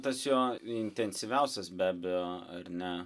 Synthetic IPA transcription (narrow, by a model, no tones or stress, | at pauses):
t̪ɐsjoːɪnʲt̪ʲɛnʲsʲɪʋʲɛʊsʲɛsbʲæːbʲɛjoːɐ̰rnʲɛ